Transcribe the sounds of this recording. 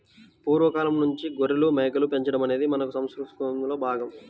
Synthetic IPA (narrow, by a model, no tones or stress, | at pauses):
puːɾʋɐkaːlɐmnuɲt͡ʃiɡoɾilumeːɡɐlupe̞ɲt͡ʃɐɽɐmɐne̞ːd̪imɐnɐkusɐmskɾut̪kumlo̞ːbʱaːɡɐm